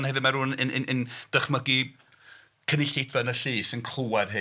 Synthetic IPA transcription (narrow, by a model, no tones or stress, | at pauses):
nhɛvɨdmaɾuːnənənənd̥əχməɡi | kʰənɪɬejdvɛnəɬiːsɪnkʰl̥ˠuað̥ɦɨ